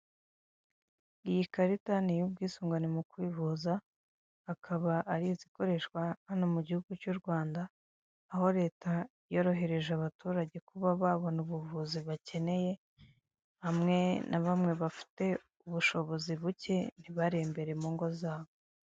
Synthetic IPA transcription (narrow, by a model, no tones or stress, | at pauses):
ijikaɾitanijub̚ɡiːsuːŋɡanimukwiːvuzaː | kʰaβaʔaɾiziko̞ɾe̞ʃkwahanomuɟihuɡ̥ut͡ʃuɾɡwaːndaː | ho̞ɾe̞ːtʰa | jo̞ɾo̞ɦe̞ɾe̞ʒaβatuːɾaɟe̞kuβaβaβo̞nuβuvuziβace̞ne̞je̞ | hamŋe̞nʔaβamŋe̞βafi̥te̞ | uβuʃo̞βo̞ziβuce̞n̥iβaɾe̞mbe̞ɾe̞muːŋɡo̞zaːβo